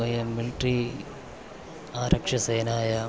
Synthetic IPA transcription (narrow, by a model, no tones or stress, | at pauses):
ɐjɐmːiliʈri | aːɾɐkʂɐsejnaːjɐ